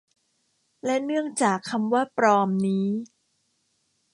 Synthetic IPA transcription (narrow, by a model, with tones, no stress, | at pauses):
lɛ˦˥nɯ˥˩əŋt͡ɕaː˨˩kʰːa˧mwaː˥˩pɾɔː˧mniː˦˥